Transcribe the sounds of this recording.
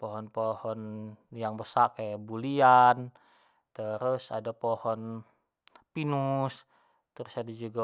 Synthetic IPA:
poɦɔnpohɔnjaŋbəsakajabulian | t̪əɾʊsa̰dapohɔn | pinus | t̪əɾʊsadad͡ʒuɡa

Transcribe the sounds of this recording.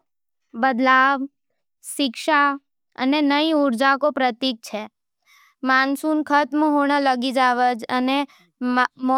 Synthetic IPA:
bəd̪laʋ | ʃɪkʃa | ə̰nenəiʊɾd͡ʒakopɾət̪ik̚t͡ʃʰe | mansunkʰət̪məɦoɳ̃ələɡid͡ʒaʋəd͡ʒəne | m

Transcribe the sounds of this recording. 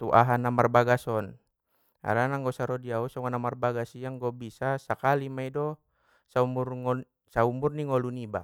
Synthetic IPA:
t̪uʔaɦanamarbaɡasɔn | a̰ɾanaŋɡɔsaɾɔdiausɔŋanamarbaɡasiaŋɡɔbisasakalimaidɔ | saumurŋɔ | saumurniŋɔluniba̰

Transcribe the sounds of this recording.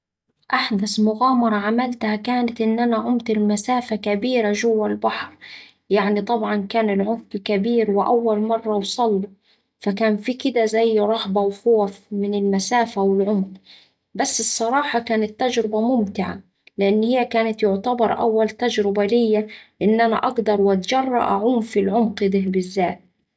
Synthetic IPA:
ʔaħd̪asmʊɣaːmɑɾˤɑʕamalt̪hakaːnat̪ʔɪnːʔanaʕʊmt̪ɪlmasaːfakabiːɾaʒʊwːalbɑħɾˤ | jaʕnit̪ˤɑbʕɑnkaːnɪlʕʊmqkabiːɾwɪʔawːalmɑrˤːɑwsˤɑlːu | fakaːnfikɪd̪azajːɾˤɑhbawxoːfmɪnɪlmasaːfawɪlʕʊmq | basːɨsˤːɑɾˤɑːħɑkaːnɪt̪ːad͡ʒɾɪbamʊmt̪ɪʕa̰ | lɪʔɪnːhɪjːakaːnat̪jʊʕt̪abɑɾˤʔa̰wːalt̪ad͡ʒɾɪbalɪjːalɪʔɪnːʔana̰ʔɑɡd̪ɑɾˤwʔat̪d͡ʒɑrˤːɑ̰ʔaʕuːmfilʕʊmqɪd̪ɪɦbɪzːaːt̪̚

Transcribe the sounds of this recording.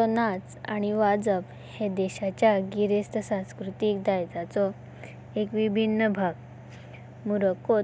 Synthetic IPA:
tɔnat͡sa̰ɽ̃iʋad͡zəb | hed̪eɕat͡ɕjaɡiɾist̪ʰəsãskɾut̪iːk̚d̪ajd͡z̪at͡sɔ | ekʋibʱinːəbʱaɡ | muɾəko

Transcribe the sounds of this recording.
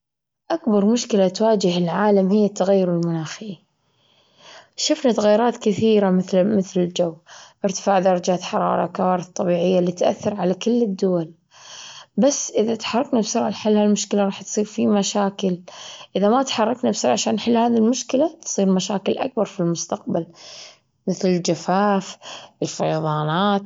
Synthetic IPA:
ʔakbɑɾˤmʊʃkɪlat̪waːd͡ʒɪhɪlʕaːlamhɪjːat̪ːaɣajːʊɾɪlmʊnaːxiː | ʃʊfnat̪aɣajːʊɾˤɑːt̪kɪθiːɾamɪθlmɪθlɪld͡ʒawːʔɪɾt̪ɪ̥faːʕd̪ɑɾˤɑd͡ʒaːt̪ħɑɾˤɑ̰ːɾˤɑ̰kawaːɾɪθˤt̪ˤːɑbiːʕɪjːaliːt̪ʔa̰θːɪɾʕalakɪlːɪd̪ːʊwal | basːʔɪðat̪ħɑrˤːɑknabsʊɾʕaħɪlːhalmʊʃkɪlaɾˤɑːħt̪sˤiːɾfimaʃaːkɪlʔɪðamat̪ħɑrˤːɑknabsʊɾʕaʃaːnħɪlːhaːðilmʊʃkɪlat̪sˤiːɾmaʃa̰ːkɪlʔa̰k̚bɑɾˤfilmʊst̪aq̚bal | mɪθlɪld͡ʒafaːfɪlfɑjɑðˤɑːnaːt̪

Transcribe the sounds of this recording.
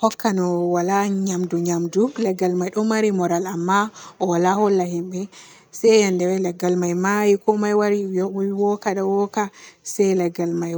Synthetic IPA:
hɔkʰːanɔwalaɲamduɲamdulɛɡalmajɗɔmaɾimɔɾalamːaʔɔwalahɔlːahimɓɛ | sɛjandɛwɛlɛɡːalmajmajikɔmajwaɾiwɔkaɗawɔkasɛjlɛɡalmaj

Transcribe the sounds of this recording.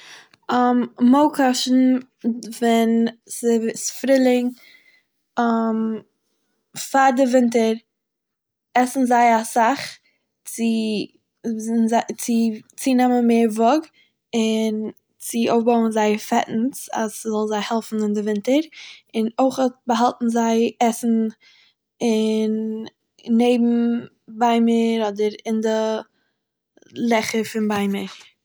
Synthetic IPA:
ɔmmɔkʰɔʃn̩ | vɛnsɪsfɾɪlˠɪŋ | ɔm | faɾdɪvɪnt̬əɾ | ɛsn̩zaɪasaχ | t͡sɪ | nzat͡sɪt͡sinɛmənmeːɾvɔɡ | ɪn | t͡sɪoʊfbaʊənzaɪfɛʔn̩sa̰szɔlˠzaɪhɛlˠfn̩ɪndɪvɪntəɾɪnoɪχɔtbəɦalˠtn̩zaɪɛsn̩ | ɪn | neɪbm̩ | baɪməɾɔdəɾɪndɪ | lˠɛχəfɪnbaɪməɾ

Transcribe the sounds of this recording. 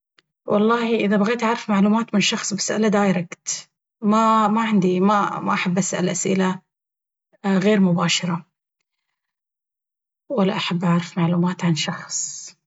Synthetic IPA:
wʔɑlˤːɑːhiʔɪðabaɣeːt̪ʔaʕɾˤɪfmaʕluːmaːt̪mɪnʃɑxsˤbasʔa̰lad̪aːjɾɑɡt̪ | mamaʕɪnd̪imama̰ʔaħabːʔasʔa̰lʔasʔɪla | ɣeːɾmʊbaːʃɑɾˤɑ | walːaʔaħabːʔaʕɾɪfmaʕluːmaːt̪ʕanʃɑxsˤ

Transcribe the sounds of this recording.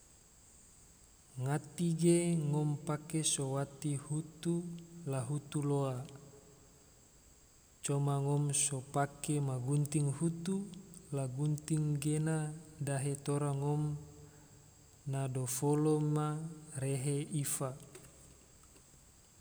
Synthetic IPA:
ŋat̪iɡeŋɔmpakesowat̪ihut̪ulaɦut̪uloa | t͡ʃomaŋɔmsopakemaɡunt̪iŋhut̪ulaɡunt̪iŋɡenadaɦet̪oɾaŋɔm | nadofolomareɦeifa

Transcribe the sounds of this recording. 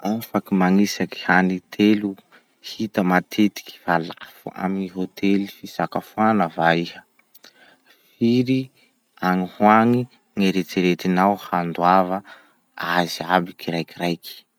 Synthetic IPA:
afakimaŋisaki̥hanit̪ʰelu | hit̪əmat̪ʰet̪i̥ki̥valafua̰miɦot̪ʰelifisakafuanəvaihə | fiɾi | aŋihwaŋi | ŋaɾet̪iɾet̪inawhand̪wavə | aziabikʰiɾajkirajki̥

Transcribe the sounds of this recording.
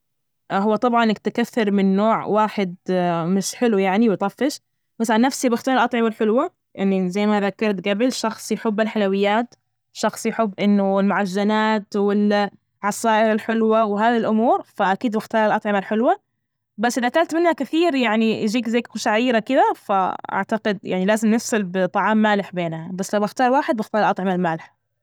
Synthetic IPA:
ɦʊwːat̪ˤɑbʕɑnːɪk̚t̪ɪkaθːɪɾmɪnːoːʕwaːħɪd̪̚mɪʃħɪlujaʕniwɪt̪ˤɑfːɪʃ | masʕanːafsibɪxt̪aːɾˤɪlʔɑt̪ˤʕɑmalħɪlwa | ʔɪnːizajːmaðakːɑɾˤt̪ɡabɪlʃɑxsˤjɪħʊbːɪlħalawɪjːaːt̪ | ʃɑxsˤjɪħʊbːʔɪnːʊlmʊʕaʒːanaːt̪wɪl | ʕɑsaːʔɪɾɪlħɪlwawɦaːðilʔʊmuːɾfaʔakiːd̪bɪxt̪ɑːɾˤɪlʔɑt̪ˤʕɪmalħɪlwa | basːʔɪðaʔt̪alt̪mɪnhakɪθiːɾjaʕnid͡ʒiːkzaːkqʊʃaʕajiːɾakɪd̪afa̰ʔa̰ʕt̪aqɪd̪ja̰ʕnilaːzɪmnɪfsalbɪt̪ˤɑʕɑːmːaːlɪħbeːnhabasːlawbɪxt̪ɑːɾˤwaːħɪd̪̚bɪxt̪ɑːɾˤɪlʔɑt̪ˤʕɪmalmaːlɪħ

